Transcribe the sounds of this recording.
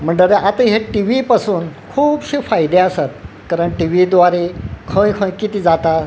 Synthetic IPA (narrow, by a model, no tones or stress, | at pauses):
m̤əɳɖəɾeat̪aɦjaʈiʋipasuːnkʰuːbɕifajd̪eəsat̪̚ | kaɾəɳʈiʋid̪ʋaɾekʰə̃jkʰə̃jkit̪iːd͡zat̪a